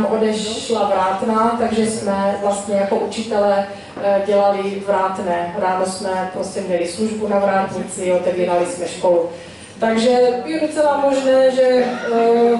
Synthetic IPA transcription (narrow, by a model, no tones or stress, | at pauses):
mʔodɛʃlavɾaːt̪nat̪aɡʒɛsmɛvlast̪ɲɛjako̞ʔut͡ʃɪt̪ɛlɛ | ɟɛlalɪvɾaːt̪nɛːɾaːnosmɛpɾoscɛmɲɛlɪsluʒbunavɾaːt̪ɲit͡sɪot̪ɛviːɾalismɛʃko̞lu | t̪aɡʒɛjɛdot͡sɛlamo̞ʒnɛːʒɛ